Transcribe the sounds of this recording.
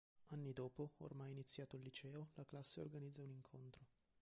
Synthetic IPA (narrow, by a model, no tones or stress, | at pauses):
anːid̪ɔːpoo̰rmajinit̪sːjaːt̪olːit͡ʃɛːolaklasːeo̰rɡanid̪zːauniŋkʰont̪ɾo